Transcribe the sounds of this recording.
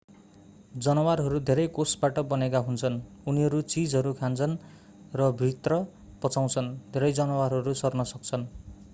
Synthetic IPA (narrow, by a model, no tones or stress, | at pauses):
d͡zʌnʌwarɦʌɾud̪ʱeɾʌjkosbaʈʌbʌnekaɦunt͡sʰʌnuniɦʌɾut͡sid͡zɦʌɾukʰant͡sʰʌn | rʌbʱit̪rʌ | pʌt͡saw̃t͡sʰʌnd̪ʱeɾʌjd͡zʌnʌwarɦʌɾusʌrnʌsʌk̚t͡sʰʌn